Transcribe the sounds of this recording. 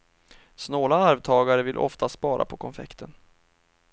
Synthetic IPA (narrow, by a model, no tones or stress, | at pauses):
snoːlaaɾvt̪ʰɑːɡaɾəvɪlʔɔ̰ft̪ʰaspɑːɾʔa̰pʰɔkʰɔnfɛ̰kt̪ʰən